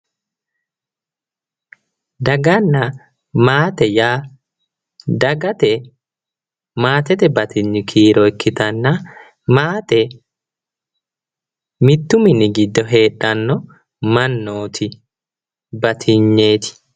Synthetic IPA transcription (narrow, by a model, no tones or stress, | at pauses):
d̪ɐɡɐnːɐ | maːt̪ɛjaː | d̪ɐɡɐt̪ɛ | maːt̪ɛt̪ɛbɐt̪ʰɪɲːɪkʰiːɾɔɪkːɪt̪ɐnːɐ | maːt̪ɛ | mɪt̪ːʊmɪnɪɡɪd̪ːɔɦe̞ːᶑːɐnːɔ | mɐnːoːt̪ʰɪ | bɐt̪ʰɪɲːeːt̪ɪ̥